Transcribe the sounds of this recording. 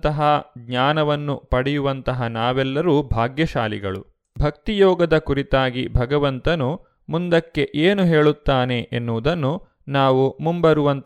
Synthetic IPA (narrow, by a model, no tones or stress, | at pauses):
t̪ɐɦɐɡɲaːnɐʋɐnːupɐɽɛjuʋɐnt̪ɐɦɐnaːʋɛlːɐɾuːbʱaːɡjɐʃaːlḭɡɐ̰ɭṵ | bʱɐk̚t̪ijɔːɡɐd̪ɐkuɾit̪aːɡibʱɐɡɐʋɐnt̪ɐnu | mund̪ɐkːe̞ʔeːnuɦe̞ːɭut̪ːaːne̞ʔenːuːd̪ɐnːu | naːʋumumbɐɾuʋɐnt̪